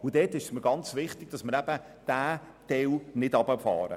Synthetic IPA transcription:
ʊd̥ɛːtːɪʃə̥sməɾɡɑnt͡sʋɪχtɪɡ̥̚d̥ɑsməɾæb̥ə | d̥æː | d̥ɛwnɪdɑbəfɑ̰ːɾə̰

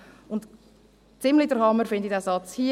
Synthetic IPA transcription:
ʊnt | t͡sɪmlid̥əɾhɑməɾfɪndidæːsɑt͡shi

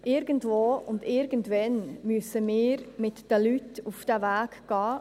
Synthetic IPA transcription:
ɪɾɡ̥əntvoːʊndɪɾɡ̥ən̩tvɛnmyəsəmɪːɾmɪtd̥əlytufd̥ævæːkɡ̥ɑː

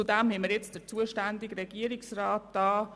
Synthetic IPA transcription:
udæmhɛməɾjɛt͡std̥əɾt͡suəʃtændɪɡɾɛɡ̥iəɾɪksraːtːɑː

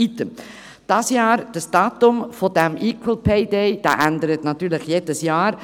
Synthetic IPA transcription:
it̪əm | d̥ɑːsjɑːɾd̥əsd̥ɑːtʊmfod̥ɛmʔiːkʰwəlpʰeɪdɛɪd̥a̰ːʔændəɾət̪nɑt̪yːɾlɪχjeːd̥əsjɑːɾ

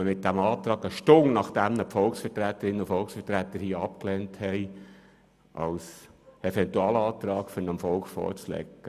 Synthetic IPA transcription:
əmɪt̚d̥æmɑːt̪ɾɑːɡəʃtʊŋnɑχd̥æmnəpfɔlksfəɾtɾæt̪ːəɾɪnːəʊfɔlksfətɾæt̪ːəɾhiːəɑp̚klɛnthɛɪ | ʔɑ̰lsefɛntuɑːlɑːt̪ɾɑːkfʏɾnəmfɔlkχfɔ̰ːɾt͡slɛ̰kːə

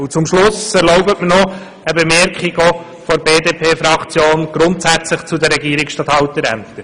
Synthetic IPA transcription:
ut͡sʊmʃlʊsɛɾloʊbətmənɔ | əbemɛɾkχiɡɔ | fɔɾbeːdeːpʰeːfɾɑkt͡sjoːnɡ̥ɾʊntsæt͡sləχt͡sud̪əɾɛɡiəɾɪksʃtɑt̪hɑʊt̪əɾæ̰mt̪əɾ

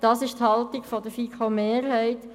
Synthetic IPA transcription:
d̥ɑːsɪʃt̪hɑlt̪iɡfɔd̪əfikʰomeːɾɦɛɪt

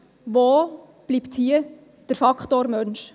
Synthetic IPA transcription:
ʋoː | b̥liːpthiə | d̥əɾfɑkχtoːɾmœnʃ

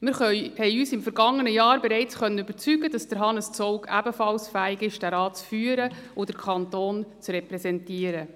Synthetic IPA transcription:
mɪɾχœhɛɪyːsɪmfəɾɡɑŋːənəjɑːɾbɛɾɛɪt͡sχœnːənʏb̥əɾt͡syɡəd̥ɑsd̥əɾɦɑnəst͡sɔʊkʰæbəfɑlsfæːɪɡɪʃd̥æɾɑːt͡sfyːəɾəʊd̥əɾkʰɑntoːnt͡srɛpɾɛsɛntiəɾə

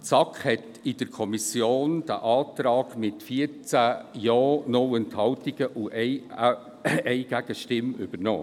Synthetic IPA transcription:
t͡sɑkχhɛt | ɪd̥əɾkʰɔmisjoːnd̥æ̰ʔɑːt̪ɾɑːɡ̥mɪtfiəɾt͡sæjɔːnɔwɛnthɑwtiɡ̥əʔuʔɛɪ | ɛɪɡ̥æɡ̥əʃtɪmʏb̥əɾnɔ̰ː

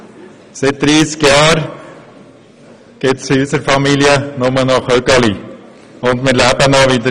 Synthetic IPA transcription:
sɪt̪̚d̪̥ɾiːskjɑːɾ | ɡ̥ɪtsɪysəɾfɑmiliənʊmənɑχœɡɑli | ʊndmɪːɾlæbənɔʋid̪ə

